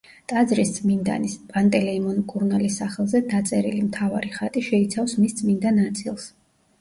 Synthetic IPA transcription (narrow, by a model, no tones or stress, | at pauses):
t̪ʼazɾisd̪zʼmind̪a̰nispʼant̪ʼɛlɛimɔnkʼuɾnalisːaχɛlˠzɛd̪at̪sʼɛɾḭlimt̪ʰava̰ɾiχat̪ʼiʃɛit̪sʰafsmisd̪zʼmind̪anat̪sʼilˠs